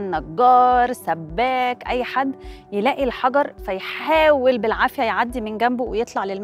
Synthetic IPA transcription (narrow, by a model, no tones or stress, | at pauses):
nːɑɡːɑːɾˤsæbːæːkʔæjːħad̪ːjelæːʔilħɑɡɑɾˤfæjħaːwelbelʕaːfɪjæjʕad̪ːimenɡæmbowejet̪ˤlɑʕlelm